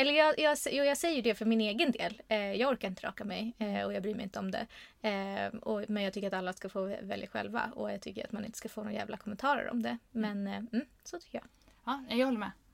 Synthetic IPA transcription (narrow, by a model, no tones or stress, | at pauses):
ɛlːəjɑːɡjɑːsjuːjɑːɡsɛjːəɖɛfœɾmɪneːɡənd̪ḛːljɑːɡɔɾkaɾɪnt̪əɾɑ̰ːkamɛjɔjɑɡbɾyːmɛjɪnt̪əɔmd̪ɛ̰ | ɔmɛnjɑɡt̪ʏkːɾat̪alːaskafoːvɛ̰ljaɧɛ̰lva̰ɔ̰jɑɡt̪ʰʏkːəɾat̪manɪ̰nt̪ə̥skafoːnoːɾajæ̰ːvlʔa̰kʰɔmɛnt̪ʰɑːɾə̰ɾɔ̰md̪ɛmɛnm̩ː | sɔt̪ʰʏ̥kːəjɑ̰ɡ | ɑnɛjɑɡhɔlːmɛ